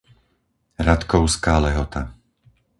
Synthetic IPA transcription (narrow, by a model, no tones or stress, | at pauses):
ɾat̪kɔʊskaːlɛɦɔt̪a